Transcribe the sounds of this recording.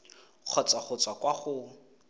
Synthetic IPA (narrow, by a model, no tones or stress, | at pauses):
q͡χʰɔt͡sʼwaχʊt͡swakwaχʊ